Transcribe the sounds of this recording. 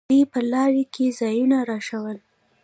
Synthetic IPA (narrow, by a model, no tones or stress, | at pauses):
epəlɑɾikʰezɑjunaɾɑʃawəl